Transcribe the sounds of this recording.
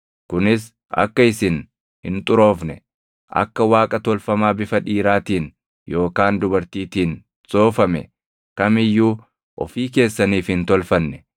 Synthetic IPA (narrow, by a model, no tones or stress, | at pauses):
kʊnɪs | ɐ̰kːɐɪsɪn | hɪnt̪ʼʊɾo̞ːfnɛ | ʔɐ̰kːɐwaːkʼɐt̪ɔlfɐmaːbɪfɐᶑiːɾaːt̪iːn | jʔo̞ːkaːnd̪ʊbɐɾt̪iːt̪iːn | t͡sʼo̞ːfɐmɛ̰ | kɐmɪjːuː | ʔɔ̰fiːke̞ːsːɐniːfhɪnt̪ɔlfɐnːɛ